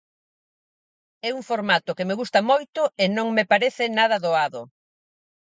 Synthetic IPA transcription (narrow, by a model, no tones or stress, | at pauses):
ɛuŋfoɾmat̪ʊkemeɣust̪ɐmojt̪ʊɪnõŋmepaɾɛθɪnaðɐðoaðʊ